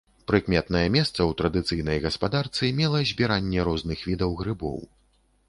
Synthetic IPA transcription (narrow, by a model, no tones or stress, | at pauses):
pɾɨkmʲɛt̪nɐjɛmʲɛst̪sɐwt̪ɾɐd̪ɨt̪sɨjnɐjɣɐspad̪art̪sɨmʲɛlˠɐzʲbʲiɾanʲːɛɾɔznɨxvʲid̪ɐwɣɾɨbɔ̰w